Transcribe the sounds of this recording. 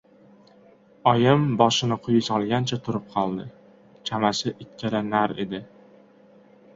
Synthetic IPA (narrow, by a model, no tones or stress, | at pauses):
ɒjɪmbɒʃɪnɪqʰʊjɪsɒlˠɡʲant͡ʃʰat̪ʰʊɾɪp̚qʰɒlˠd̪ɪ | t͡ʃʰamasɪʔɪkʲʰːalanaɾe̞̰d̪ɪ